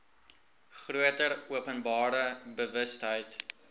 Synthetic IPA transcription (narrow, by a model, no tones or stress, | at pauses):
χruətəruəpənbɑːɾəbəvəstɦəjt